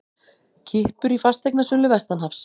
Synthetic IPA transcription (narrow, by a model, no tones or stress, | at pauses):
cʰɪhpʏɾifast̪ejknasʏnlʏvɛst̪anɦafs